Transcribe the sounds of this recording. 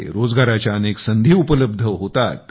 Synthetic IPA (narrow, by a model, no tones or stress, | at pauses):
ḛɾod͡zɡaɾat͡ɕjaəneksənd̪ʱiːupələb̚d̪ʱəɦot̪at̪̚